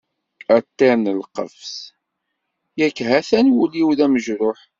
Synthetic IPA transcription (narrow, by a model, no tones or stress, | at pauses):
æt̪ːɪnəlqə̰fs | jækːɦæθænwuliwðæməʒɾʊħ